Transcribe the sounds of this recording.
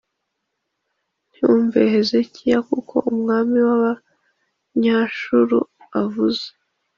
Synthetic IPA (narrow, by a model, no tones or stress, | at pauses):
n̥hiuːɱve̞̰ɦezecʰijakukʰo̞̰ʔumŋaːmiwaβa | ɲaʃuɾu | avuze̥